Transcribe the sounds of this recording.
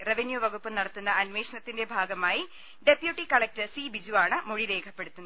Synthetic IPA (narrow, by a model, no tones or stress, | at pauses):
reʋenjuʋɐɡupːɨnɐɽɐt̪ːunːɐɐnʋeːʂɐnɐt̪ːinde̞bʱaːɡɐmaːji | ɖe̞pjuʈːikɐɭɐk̚tɐsibid͡ʑuaːɳɨmoɻiɾe̞ːkʰɐpːe̞ɽut̪ːunːɐ